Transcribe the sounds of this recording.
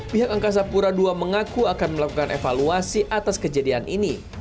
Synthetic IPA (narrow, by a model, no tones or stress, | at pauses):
piɦak̚aŋkas̬apuɾaduaməŋakuakanməlakukanefaluasiʔat̪askəd͡ʒadianʔini